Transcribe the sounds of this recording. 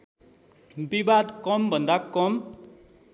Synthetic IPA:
bibad̪kʌmbʱʌnd̪akʌm

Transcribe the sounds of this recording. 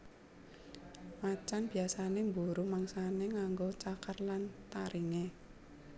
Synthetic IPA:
mat͡ʃanb̥iasanembuɾumaŋsaneŋaŋɡot͡ʃakərlant̪aɾiŋe

